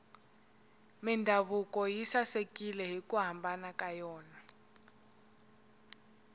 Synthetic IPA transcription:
mindʱaβukɔjisasekʼilɛɦikuɦambʱanakajɔːna

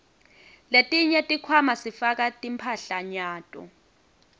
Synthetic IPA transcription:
letʼiɲɛtʼikʰwamasifak̬atʼimpʰaɬaɲaːtʼɔ̰

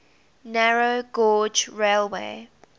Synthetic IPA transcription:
naɹoɡɔːd͡ʒɹelˠwḛː

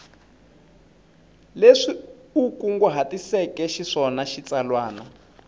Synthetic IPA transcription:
leʂiukuŋɡuɦatisɛkɛʃiʂɔnaʃit͡sʼalwaːna

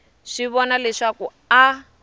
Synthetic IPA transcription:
ʂiβɔnalɛʂaku | a

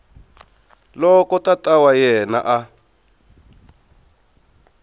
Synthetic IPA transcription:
lɔkɔtatawajɛna̰ʔa

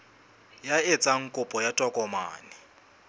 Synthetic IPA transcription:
jaet͡sʼaŋ̩kʼʊpʼɔjatʼɔkʼɔma̰ːnɪ

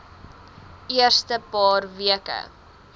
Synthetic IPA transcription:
iərstəpɑːrviəkə̰

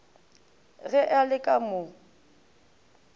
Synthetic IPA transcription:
ɣɛʔalɪkʼamʊ

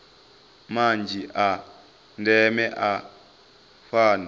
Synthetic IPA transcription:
mand͡ʒʱiʔa | ndɛmɛʔa | faːna

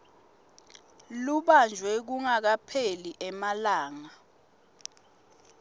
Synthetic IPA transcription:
luɓand͡ʒʱwɛk̬uŋak̬apʰeliʔɛmalaːŋa

